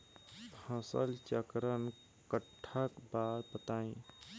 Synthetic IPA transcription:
bʱə̃səlt͡ʃəkɾən | kəʈʰːəkbaɾbət̪aːĩ

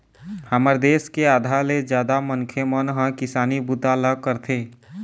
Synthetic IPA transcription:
həməɾd̪eːskeaːd̪ʱaled͡ʒjaːd̪amənkʰemənɦə̃kɪsaːnibut̪aləkəɾt̪ʰeː

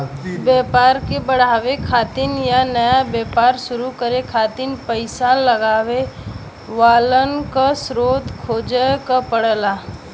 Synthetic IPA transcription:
bjɛːpaːɾkebəɽ̤aːʋekʰaːt̪ɪnjanəjabjeːpaːɾʃʊɾukəɾekʰaːt̪ɪnpəɪsaləɡaːʋe | ʋaːlənkasɾoːd̪kʰoːd͡ʒəkapəɽlaː

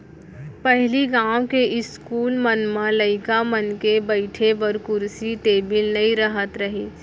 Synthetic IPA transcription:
pɛɦliɡãːwkeʔɪskuːlmənmãləɪkamənkebɐɪʈʰebəɾkʊɾsit̪eːbɪlnɐĩɾɐɦət̪ɾɐɦiː

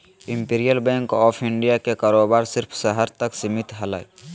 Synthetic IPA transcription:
ɪ̃mpiːɾijəlbɛ̃ːŋkɔːpʰɪɳɖijakekaːɾoːbaːɾsɪɾpʰsəɦəɾt̪əksɪmɪt̪ɦɐla̰ːe

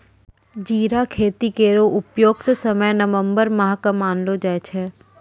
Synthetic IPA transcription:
d͡ʒiːɾakʰeːt̪ikeːɾoʔʊpjoːɡt̪səməjnəʋə̃mbəɾmɐɦkəmaːnlod͡ʒɛet͡ʃʰɛː

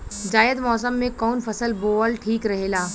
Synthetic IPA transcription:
d͡ʒaːjəd̪mɔːsəmːẽkɔːnfɐsəlboːəlʈʰiːkɾɐɦeːlaː

